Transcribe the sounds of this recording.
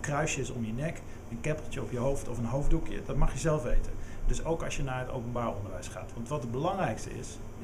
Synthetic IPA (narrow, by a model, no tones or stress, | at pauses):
krœɥsjəsɔ̰mjənɛk | ənkɛpəl̩ˠtəɔpjəɦowftɔfənɦowvdukjə̰dɑtmɑχjəzɛlˠfʋḛjtəndɵsowkɑʃjənaːɹɦəto̰wpənbaːɹɔ̰ndəɹʋɛjsχa̰ːtʋɑntʋɑtəd̚bəlɑŋrɛjkstə̰ɪ̰s